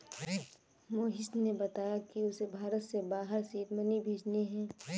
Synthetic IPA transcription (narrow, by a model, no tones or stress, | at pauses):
moːɦɪsnebɐt̪aːjakiʊsebʱaːɾət̪sebaːɦəɾsiːt̪mənibʱeːd͡ʒneɦɛ̃ː